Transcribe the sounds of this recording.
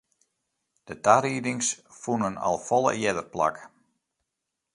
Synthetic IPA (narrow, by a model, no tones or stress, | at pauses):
d̥ətaɾidɪŋsfunənɔ̰lˠfɔlˠə̰jɛdərpla̰k